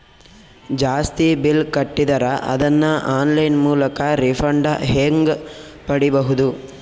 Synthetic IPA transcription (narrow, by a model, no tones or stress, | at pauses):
d͡ʒaːst̪ibilkɐʈːid̪ɐɾɐʔɐ̰d̪ɐnːɐʔaːnlɐjnmuːlɐkɐɾipʰɐɳɖɐɦeŋɡpɐɽibɐɦud̪u